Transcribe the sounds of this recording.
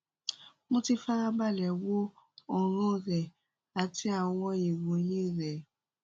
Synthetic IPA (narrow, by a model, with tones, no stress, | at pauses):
mõ˦ti˧fa˦ɾa˦ba˦˨lɛ˨wo˦ɔ˨ɾ̃ɔ̃˦˨ɾɛ˨ | a˨ti˦a˨wwɔ̃˦ji˨wo˨˦jĩ˦˨ɾɛ˨